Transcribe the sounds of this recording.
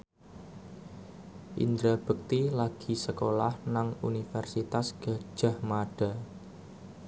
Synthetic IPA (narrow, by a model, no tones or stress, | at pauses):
ʔḭnd̪ɾab̥ək̚t̪ilaɡ̥i̤səkolahnaŋṵnifɛrsit̪asɡ̥a̤̥ʒ̥a̤hmaɖ̥a̤